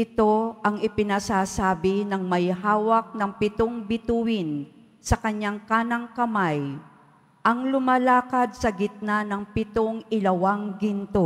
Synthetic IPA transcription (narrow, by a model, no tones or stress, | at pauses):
ʔɪt̪o̞ʔɐŋɪpɪnasasaːbɪnɐŋmɐjhaːwɐk̚nɐŋpɪt̪oŋbɪt̪uwɪn | sɐkɐɲaŋkaːnɐŋkɐmaj | ʔɐŋlʊmalaːkɐd̪̚sɐɡɪt̪̚nanɐŋpɪt̪oŋʔɪlɐwaŋɡɪnt̪o